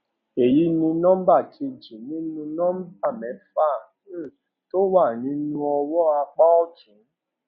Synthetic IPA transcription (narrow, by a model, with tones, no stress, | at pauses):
e˨ji˨˦nũ˧nã˦ba˦˨tʰi˧d͡ʒi˨nĩ˦nũ˧nã˦m˦b̚a˦˨mɛ̃˨˦fa˦˨˦ | to˦wa˦˨nĩ˨˦nũ˦ɔ˧wɔ˦a˧k͡pa˦ɔ˦d͡ʒĩ˨˦